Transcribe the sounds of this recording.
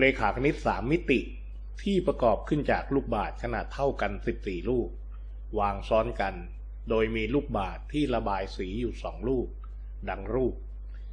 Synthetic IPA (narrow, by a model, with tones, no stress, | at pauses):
leː˧kʰaː˩˦˥kʰa˧ni˦˥t̪̚saː˩˦mːi˦˥t̪i˨˩ʔ | t̪ʰiː˥˩pɾa˧kɔː˨˩p̚kʰɯ˥˩nt͡ɕaː˨˩k̚luː˥˩k̚baː˨˩t̪̚kʰa˧naː˨˩t̪ʰːa˥˩wka˧nsi˨˩p̚siː˨˩luː˥˩k̚ | waː˧ŋsɔː˦˥nka˧n | doː˧jmiː˧luː˥˩k̚baː˨˩t̪ʰːiː˥˩ɾa˧baː˧jsiː˩˦juː˨˩sɔ̰ː˩˦ŋluː˥˩k̚ | da˧ŋɾuː˥˩p̚